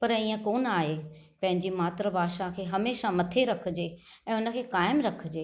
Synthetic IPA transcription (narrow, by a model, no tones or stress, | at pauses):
pɐɾiːə̃koːnaːɦepɐ̃ɦɪ̃ɲd͡ʑimaːt̪ɾəbʱaːʃakʰeːɦɐmeːʃamɐt̪ʰeɾɐkʰəd͡ʑeːɛ̃ːʊnə̆kʰeːkaːɪmɾɐkʰəd͡ʑeː